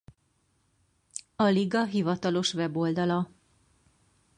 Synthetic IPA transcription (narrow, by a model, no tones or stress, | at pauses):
ɒliɡɒɦivɒt̪ɒlo̞ʃvɛbold̪ɒlɒ